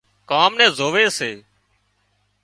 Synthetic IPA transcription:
kaːmnɛ̃ːzʱoːʋeːseː

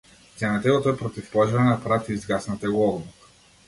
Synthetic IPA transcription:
sʲɛnat̪ɛlˠɔt̪ɔɛpɾɔt̪ifpɔʒɾanapɾat̪iːzɡasnat̪ɛɡɔɔblˠuk

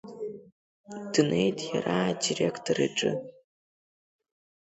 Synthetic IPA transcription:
d̥ɨnʔe̞jtʼjaɾadirekʰtʰoraʈ͡ʂʼɨ

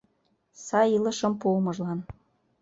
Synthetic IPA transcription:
sɑjilə̆ʃɤ̆mpomɤ̆ʒlɑn

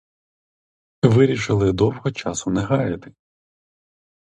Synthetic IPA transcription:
ʋɪɾʲiʃɪlˠɪd̪ɔwɦɔt͡ʃɑsʊnɛɦɑjɐt̪ɪ̥

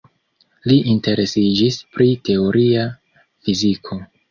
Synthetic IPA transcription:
liʔinte̞ɾe̞sid͡ʒispɾite̞o̞ɾia | fizikʰo̞

